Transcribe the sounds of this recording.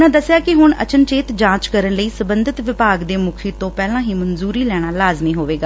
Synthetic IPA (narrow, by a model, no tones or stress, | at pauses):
nãːd̪əsjaːkɪɦʊɳə̰t͡ʃənt͡ʃeːt̪d͡ʒãːt͡ʃkəɾənləiːsəbənd̪ɪt̪ʋɪpaːɡd̪eːmʊkʰiːt̪õːpɛːlãːɦiːmənzuːɾiːlɛːɽ̃aːlaːzmĩːɦoːʋeːɡaː